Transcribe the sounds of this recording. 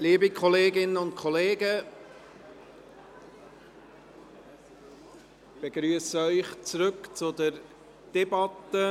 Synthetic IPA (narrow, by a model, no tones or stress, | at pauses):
liːbikʰχɔleːɡɪnəʊntkʰɔleːɡə | b̥eɡɾyəsəœʏχt͡sɾɵkt͡sʊd̪əɾ | d̥ɛbɑtə